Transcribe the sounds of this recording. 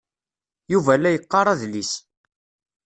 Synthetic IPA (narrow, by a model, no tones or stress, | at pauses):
juvælːæjəqːɑɾˤæðlis